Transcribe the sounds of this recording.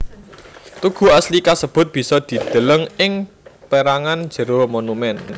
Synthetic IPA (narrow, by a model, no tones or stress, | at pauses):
t̪uɡ̥ṳaslikasəb̥ʊ̤t̪̚b̥i̤sɔd̪̥i̤d̪̥ə̤ləŋɪŋ | peɾaŋand̥ʒ̥ə̤ɾomonumɛn